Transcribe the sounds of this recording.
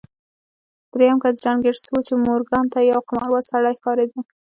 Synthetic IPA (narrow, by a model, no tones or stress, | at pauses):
d̪̥ɾejamkasd͡ʒanɡeɽsəwut͡ʃemoɾɡɑnt̪ajawqamɑɾwasaɽɑjxɑɾed̪i